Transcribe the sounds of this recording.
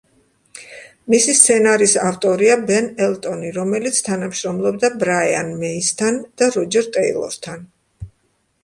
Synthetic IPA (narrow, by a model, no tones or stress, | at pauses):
misist̪sʰɛnaɾisaft̪ʼɔɾiabɛnɛlˠt̪ʼɔniɾɔmɛlit̪sʰt̪ʰanamʃɾɔmlˠɔbd̪abɾaja̰nmɛist̪ʰand̪̥aɾɔd͡ʒɛɾt̪ʼɛḭlˠɔ̰ɾt̪ʰan